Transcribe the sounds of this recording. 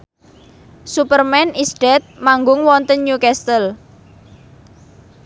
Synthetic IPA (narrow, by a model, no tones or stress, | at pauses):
supərmɛnisɖ̥ɛt̪̚maŋɡʊŋwɔnt̪ənɲukɛst̪əl